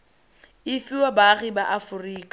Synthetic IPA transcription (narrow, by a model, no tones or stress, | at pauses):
ɪfɪwabaɣibaʔafʊriːkʼḁ